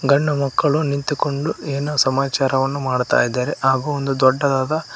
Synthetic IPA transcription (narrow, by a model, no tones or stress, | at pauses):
ɡɐɳːɐmɐkːɐɭunint̪iko̞ɳɖueːnosɐmaːt͡ʃaːɾɐʋɐnːumaːɽt̪a̰ːjid̪ːaːɾeʔaːɡuond̪ud̪ɔɖːɐd̪aːd̪ɐ